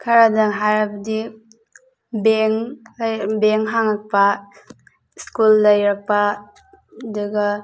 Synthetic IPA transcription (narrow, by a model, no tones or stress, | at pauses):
kʰaɾadaŋɦaɾabdi | beŋljbeŋɦaŋak̚pa | skulːajɾak̚pa | duɡa